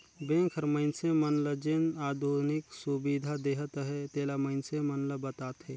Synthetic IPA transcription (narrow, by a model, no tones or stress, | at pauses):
bẽkʰəɾməɪnsemənləd͡ʒenaːd̪ʱoɾniksubid̪ʱad̪eɦət̪ɦet̪eːlaməɪnsemənləbət̪aːt̪ɦe